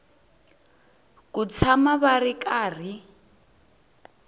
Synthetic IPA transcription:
kut͡sʰamaβaɾikʼaːr̤i

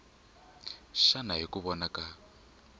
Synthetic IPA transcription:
ʃanaɦikuβɔnaka

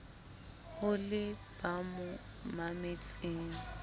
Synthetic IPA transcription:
hʊlɪb̥amʊ | mamet͡sʼɪŋ̩

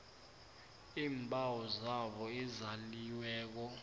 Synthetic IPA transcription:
iːmbʱʼawɔzaɓɔizaliwɛːk̬ɔ

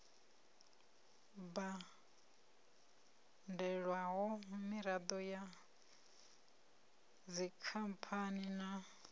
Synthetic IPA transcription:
ba | ndɛɺwaɦɔmiɾad̪ɔja | d͡zikʰampʰanina

